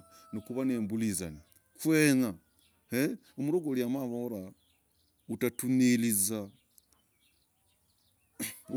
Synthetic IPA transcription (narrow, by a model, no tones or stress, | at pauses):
nikuβanembuliza̰ni | kwena | he | umuɾoɡoljamaβoɾa | utatuneliza